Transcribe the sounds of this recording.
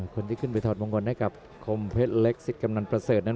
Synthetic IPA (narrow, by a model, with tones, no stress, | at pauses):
kʰo˧nt̪ʰi˥˩kʰɯ˥˩npa˧jt̪ʰɔː˨˩t̪̚mo˧ŋkɔ˧nha˥˩jka˨˩p̚ | kʰo˧mpʰe˦˥t̪̚le˦˥k̚si˨˩t̪̚ka˧mna˧npɾa˧səː˨˩t̪̚na˥˩